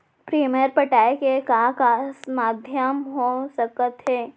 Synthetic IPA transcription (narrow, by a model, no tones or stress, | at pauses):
pɾiːmjəɾpəʈaːjkekakasmaːd̪ʱjəmɦosɐkət̪ɦɛː